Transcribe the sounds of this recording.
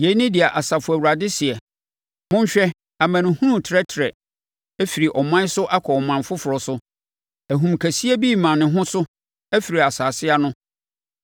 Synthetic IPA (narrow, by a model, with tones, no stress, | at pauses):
je˨˦nɪ̃˦dɪ˨a˨ʔa˨sa˨fʊ˨æ˨wu˨ɾa˨dɪ˦sɪ˨ɛ˨ | mʊ̃˦ɲ̩˦ɕᶣɛ˦ | a˨mã˨nɪ̃˨hũ˦nũ˨tʰɪ˨ɾɛ˦tʰɾɛ˨ | æ˦fi˨ɾi˨ʔɔ˨mã˦n˦sʊ˦ʔa˦kʰɔ˨ɔ˨mã˨nfʊ˦fʊ˨ɾɔ˨sʊ˦ | æ˨ɦũ˨mkʰæ˨si˦æ˦biː˦˨mã˨nɪ̃˨ɦʊ̃˦sʊ˦ | æ˦fi˨ɾi˨a˨saː˨sɪ˦a˦nʊ̃˦